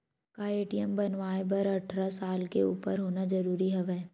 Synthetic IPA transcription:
kaeːʈijəmbɐnʋaːebɐɾɐʈʰɾasaːlkeṵːpəɾɦoːnazɐɾuːɾiɦɛʋɛː

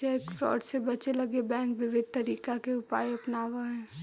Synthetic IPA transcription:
aeːkfɾɔ̰ːɖsebɐt͡ʃelɐɡebɛ̃ːŋkʋɪʋɪd̪̚ʱt̪ɐɾiːkakeʊpa̰ːjɐpnaːʋaɦɛː

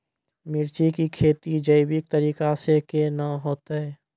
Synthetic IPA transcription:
mɪɾt͡ʃikikʰeːt̪id͡ʒəɪbɪk̚t̪əɾiːkasekenəɦoːt̪ɦɛː

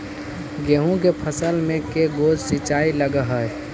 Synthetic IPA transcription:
ɡeɦũkepʰəsəlmẽkeɡod͡ʒsit͡ʃailəɡəɦəj

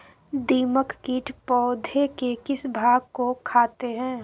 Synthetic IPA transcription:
d̪iːməkkiːʈʰpɔːd̪ʱekekɪsbʱaːɡ̚kokʰaːt̪eɦɛ̃ː

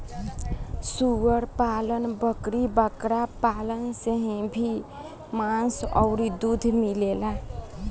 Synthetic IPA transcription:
suwəɾpalənbəkɾibəkɾapalənseɦĩbʱi | mãnsʌ̰wɾid̪ud̪ʱmilela

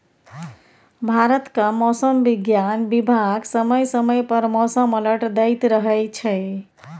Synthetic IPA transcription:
bʱaɾət̪kamɔsəmbiɡjanbibʱaɡsəməjsəməjpəɾmɔsəmələʈd̪əjt̪ɾəɦɛjt͡ʃʰɛ

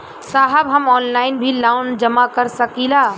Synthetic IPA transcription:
saːɦəbɦəmɔːnlaːɪnbʱilaʊnd͡ʒəmakəɾsəkila

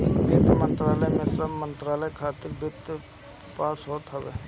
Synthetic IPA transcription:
bɪt̪mənt̪ɾaːləjmesɾamə̃nt̪ɾaːləkʰaːt̪ɪɾbɪt̪ | paːsɦoːt̪ɦɐbe

